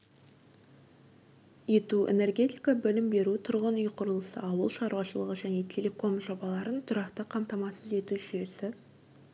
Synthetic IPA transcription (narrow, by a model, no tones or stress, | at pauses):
je̞t̪uḛne̞rɡʲe̞t̪ijkɑbɪlɪmbe̞ɾut̪ʰʊɾʁənʏjqʰʊɾəlˠəsə̰ɑwəlˠʃɑɾwɑʃəlˠəʁəʒæne̞t̪ʲʰe̞lʲe̞ko̞mʒo̞bɑlˠɑɾənt̪ʰʊɾɑqt̪əqʰɑmt̪ɑmɑsəze̞t̪uʒʏje̞sɪ